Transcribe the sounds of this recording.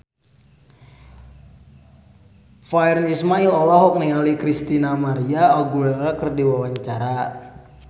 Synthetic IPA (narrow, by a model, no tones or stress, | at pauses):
faɛrnismailɔlɔɦɔk̚niŋalikɾist̪inamaɾiaaɡulɛrakərdiwawaɲt͡ʃaɾa